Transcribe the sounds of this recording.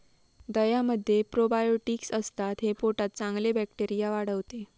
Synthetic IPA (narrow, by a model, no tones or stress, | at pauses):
d̪əjaməd̪ʱːjepɾobajoʈiksəst̪at̪ɦepoʈat̪̚t͡sãŋɡlebækʈeɾijaʋaɽəʋt̪e